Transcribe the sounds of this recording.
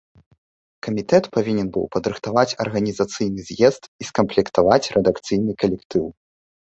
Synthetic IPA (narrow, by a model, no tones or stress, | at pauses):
kɐmʲit̪ɛt̪pavʲinʲɛnbɨ̰wpɐd̪ɾɨxt̪avat͡sʲɐ̰rɣɐnʲizat̪sɨjnɨzʲjɛzt̪iskɐmplʲɛkt̪avat͡sʲrʔɛd̪akt̪sɨjnɨkɐlʲɛkt̪ɨw